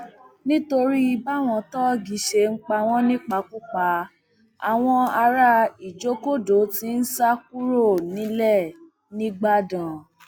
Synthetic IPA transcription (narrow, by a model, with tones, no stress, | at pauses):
nĩ˦to˧ɾi˦i˧ba˦˨w̃ɔ̃˧tɔ˦ɡi˨˦ʃe˧ŋ̩˦k͡pa˧w̃ɔ̃˦nĩ˦k͡pa˧ku˦k͡pa˧ | a˨w̃ɔ̃˧a˧ɾa˧˦i˨d͡ʒo˨˦ko˦do˨˦ti˦n̩˦sa˦k̚u˦ɾo˦˨nĩ˨˦lɛ˦˨ | nĩ˦ɡ͡ba˦dã˨